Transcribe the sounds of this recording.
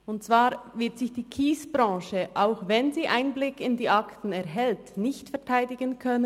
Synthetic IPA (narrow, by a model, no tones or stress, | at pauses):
ʊntt͡sv̥aːɾvɪɐtz̥ɪçd̥iːkʰiːsb̥ɾɑ̃ːʃəʔaʊxvɛnziːʔaɪnblɪkɪndiːʔaktn̩ɛɐɦɛltnɪçtfɛɐtʰaɪdɪɡənkʰœnə